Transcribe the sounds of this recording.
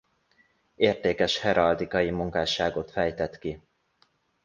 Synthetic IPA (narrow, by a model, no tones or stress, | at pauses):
eːrt̪eːkɛʃhɛɾɒld̪ikɒjimuŋkaːʃaːɡo̞t̪fɛjt̪ɛt̪ki